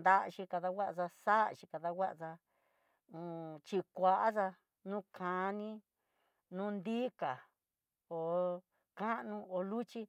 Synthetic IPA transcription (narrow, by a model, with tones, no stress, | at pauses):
nd̪a˧ʔʃĩ˧ka˧ða˧wʷa˦ʔsa˧sa˦ʔʃi˧ka˨˧ða˧wʷa˦ʔʂã˧ | t͡ʃi˧kʷa˧ʔa˦ʂa˧ | nũ˦kʰã˨˧nĩ˦ | nũː˦nd̪i˦ka˨ | o˨ | kã˦ʔnũ˧o˨˧lu˦t͡ʃi˦